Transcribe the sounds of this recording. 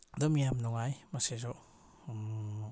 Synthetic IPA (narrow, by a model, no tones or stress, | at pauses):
d̪ɔmijamnɔŋajmasezɔʔ